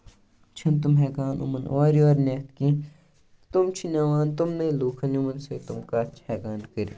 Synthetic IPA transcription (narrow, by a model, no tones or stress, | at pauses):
t͡ʃʰɐnt̪̬umɦɛːkaːnʔṵmɐnʔoːɾijoːɾnet̪kĩː | t̪umt͡ʃʰinaʋãːnt̪umneluːkʰɐniumɐnseːt̪umkaːt͡ʃʰhɛːkaːnkəɾḭ